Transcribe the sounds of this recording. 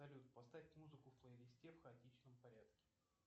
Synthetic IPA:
ɐlʲut̪pɐst̪afʲɪtʲmuzɨkʊfplˠəɪlʲɪsʲtʲefxəɐtʲit͡ɕnəmpɐɾʲat̪kʲɪ̥

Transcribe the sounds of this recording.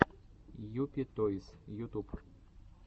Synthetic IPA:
jupʲit̪ɔisjut̪up

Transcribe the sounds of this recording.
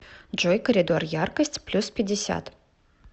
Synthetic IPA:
d͡ʒojkəɾʲɪd̪orjarkəsʲtʲplʲuspʲɪdʲɪsʲa̰t̪

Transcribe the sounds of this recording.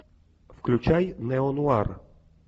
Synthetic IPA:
fklʲut͡ʃajnɛɔnuar

